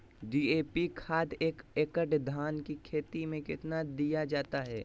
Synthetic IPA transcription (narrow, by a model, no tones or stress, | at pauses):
ɖiːeːpikʰaːd̪eːkeːkəʈd̪ʱaːnkikʰeːt̪imẽkɪt̪nad̪ijad͡ʒaːt̪aɦɛː